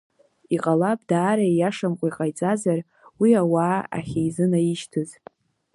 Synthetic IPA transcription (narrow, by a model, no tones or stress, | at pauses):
iqʼalapʼdaːɾajaʂamqʷʼaiqʼajt͡sʼazar | wiawaːa̰χʲejzɨnajiɪʃtʰɨz